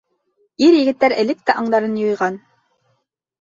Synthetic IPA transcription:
iɾjɘ̆ɡɘ̆t̪ːæɾɘ̆lɘk̚t̪æʔɑɴd̪ɑɾɤnjŏjʁɑn

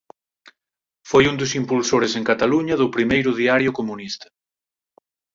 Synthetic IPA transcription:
fojund̪ʊsimpulsoɾeseŋkat̪aluɲɐðʊpɾimejɾʊðiaɾjʊkomunist̪ɐ̥

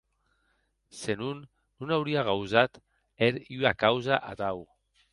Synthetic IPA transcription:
senunː | unawɾiaɣ̞awzat̪ | eɾiakawzaʔaðaw

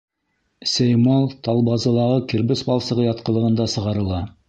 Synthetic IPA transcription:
sæjmɑlˠt̪ɑlˠbɑzɤ̆lˠɑʁɤkiɾbɘsbɑlˠsɤ̆ʁɤjɑt̪̚qɤ̆lˠɤ̆ʁɤ̆nd̪ɑsɤ̆ʁɑɾɤ̆lˠɑ

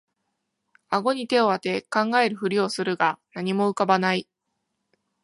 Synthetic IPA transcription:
aɡo̞ɲ̟it̪e̞o̞βat̪e̞kãŋɡaeɾɯ̟ɸɯ̟ɾʲio̞sɨɾɯ̟ɡanaɲ̟imo̞ɯ̟kabanai

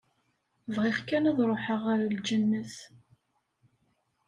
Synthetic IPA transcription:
vʁiχkænæðɾˤoħəʁaɾald͡ʒənːəs

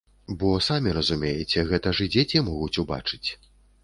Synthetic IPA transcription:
bɔsamʲiɾɐzumʲejɛt͡sʲɛɣɛt̪ɐʐɨd͡zʲet͡sʲimɔɣut͡sʲuba̰t͡ʂɨ̥t͡sʲ

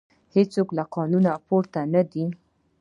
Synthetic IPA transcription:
het͡soklaqɑnunapoɾt̪anad̪i

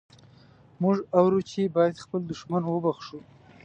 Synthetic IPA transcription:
mʊʐawɾut͡ʃʰebɑjad̪xpəld̪ʊʂmanwəbaxʂu

